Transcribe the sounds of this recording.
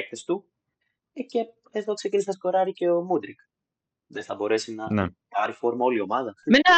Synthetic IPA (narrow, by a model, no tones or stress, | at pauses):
ekθesi̥t̪u | ce̞ | eðo̞ksecinisiɐsko̞ɾɐɾice̞o̞mud̪ɾik | ðeθɐbo̞ɾe̞sinɐnpɐɾifo̞ɾmɐo̞lio̞mɐðɐmenɐ